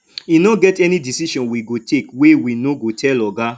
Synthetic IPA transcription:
inoɡɛtɛnĩdisiʃɔ̃nwiɡotʰekwewinoɡotʰɛlɔɡa

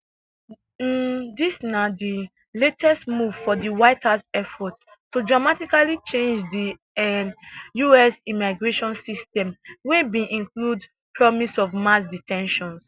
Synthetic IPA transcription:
disnadi | letʰɛstmuv̥fɔdiwaɪtʰasɛfɔt | tːudɹamatikalit͡ʃẽnd͡ʒdi | ɛjuɛsimaɪɡɹeʃɔ̃nsistɛ̃mwebĩʔĩnklud | pʰɹɔmisɔvmasditʰɛ̃nʃɔ̃ns

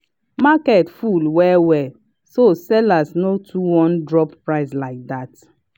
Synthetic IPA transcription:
makɛtfulwɛwɛ | sosɛlasnotʰuwɔ̃ndɹɔppɹaɪslaɪk̚dat

